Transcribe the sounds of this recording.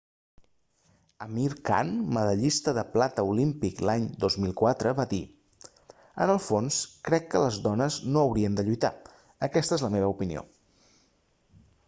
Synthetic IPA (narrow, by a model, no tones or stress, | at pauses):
əmiɾka̰nməðəʎist̪əðəplat̪əulimpiklaɲd̪ozmilˠkwat̪ɾəβaði | ə̰nəlˠfonskɾɛkːələzðɔnəznoəwɾiənd̪əʎujt̪a̰ | əkɛst̪əezləmeβəupinḭo̰